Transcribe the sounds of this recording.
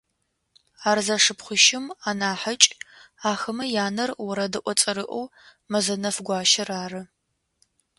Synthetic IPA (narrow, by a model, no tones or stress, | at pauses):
aːrzɐʂɨpχʷʊʃɪmaːnaːħət͡ʃʼaːxɐmɐjaːnɐrwʊɾɐdɨʔʷɔt͡sʼɐɾɨʔʷo̰w | mɐzɐnɐfɡʷɑːʃɐraːrɨ